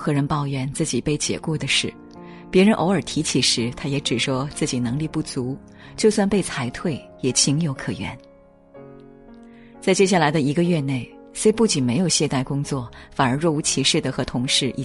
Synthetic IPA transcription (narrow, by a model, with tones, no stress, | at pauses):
xɤ˧˥ɻə˧˥npɑ˥˧ʊɥɛ˧˥˦nt͡sɹ̩˥˩t͡ɕi˨˩pe˥˩ɪt͡ɕjɛ̰˨˩kwɔ˥˩d̪ə˩ʂɻ̩˥˩ | pjɛ˧˥ɻə˧˥nʔo˧˥ʊə˞˨˩t̪ʰi˧˥t͡ɕʰi˨˩ʂɻ̩˧˥t̪ʰa˥jɛ˧˥ʈ͡ʂɻ̩˨˩ʂwɔ˥t͡sɹ̩˥˩t͡ɕi˨˩nɤ˧˥ŋli˥˧pu˥˩t͡su˧˥ | t͡ɕjo˥˧ʊswa˥˧npe˥˩ɪt͡sʰa˧˥ɪt̪ʰwe˥˩ɪjɛ˨˩t͡ɕʰi˧˥ŋjo˧˥ʊkʰɤ˨˩ɥɛ̰˧˥n | t͡sa˥˧ɪt͡ɕjɛ˥ɕ̬ja˥˩la˧˥ɪd̪ə˧i˧˥ɡə˧ɥɛ˥˧ne˥˩ɪ | swe˥ɪpu˥˩t͡ɕi˨˩nme˧˥ɪjo˨˩ʊɕjɛ˥˧t̪a˥˩ɪkʊ˥ŋt͡swɔ˥˩fa˨˩nə˞˧˥ɻwɔ˥˩u˧˥t͡ɕʰi˧˥ʂɻ̩˥˩d̪ə˩xɤ˧˥t̪ʰʊ˧˥ŋʂɻ̩˥˧ʔḭ˥˩